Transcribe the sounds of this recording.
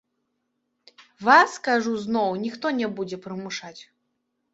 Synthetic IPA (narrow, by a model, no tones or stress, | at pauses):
vaskaʐuznɔwnʲixt̪ɔnʲɛbud͡zʲɛpɾɨmuʂat͡sʲ